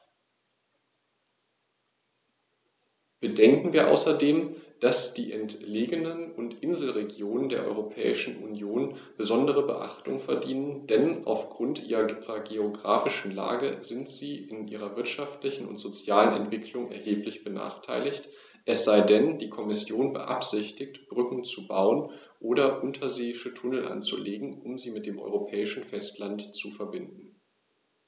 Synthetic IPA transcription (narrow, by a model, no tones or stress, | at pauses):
b̥ədɛŋkŋ̩viːɐʔa̰ʊsɐdeːmd̥asd̥iːʔɛntleːɡənənʊntʔɪnzl̩ʁeɡjoːnəndeːɐʔɔ̰ʏʁopʰɛ̰ːɪʃn̩ʔṵnjoːnb̥əzɔndəʁ̞əbə̰ʔa̰χtʊŋfɛɐdiːnənd̥ɛnʔa̰ʊfɡ̥ʁʊntʔḭːʁɐiːʁɐɡeoɡʁa̰ːfɪʃn̩la̰ːɡəzɪntz̥iːɪnʔiːʁɐvɪɐtʃaftlɪçn̩ʊ̰ntz̥ot͡sjaːlənɛ̰ntv̥ɪkʰlʊŋɛ̰ɐheːplɪçb̥əna̰ːχtʰa̰ɪlɪçt | ʔɛsz̥aɪdɛndiːkʰɔmɪsjoːnbə̰ʔa̰pz̥ɪçtɪçtb̥ʁʏkŋ̩t͡subaʊən | ʔoːɾɐʔʊntʰɐzeːɪʃətʰʊnl̩ʔa̰nt͡sṵleːɡŋ̩ʊmziːmɪt̚d̥eːmʔɔ̰ʏʁopʰɛːɪʃn̩fɛstlantt͡sufɛɐbɪndn̩